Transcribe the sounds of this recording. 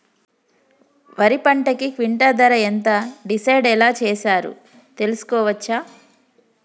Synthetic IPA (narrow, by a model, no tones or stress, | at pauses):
ʋɐɾipɐɳʈɐkikʋiɳʈɐd̪ɐɾɐent̪ɐɖisɐjɖɛlaːt͡ʃɛːʃaːɾṵ | t̪e̞lusu̥kɔːʋɐt͡ʃːaː